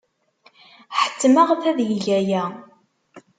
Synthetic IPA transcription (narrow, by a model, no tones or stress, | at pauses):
ħə̥t͡sːmaʁθæðjəʝæjæ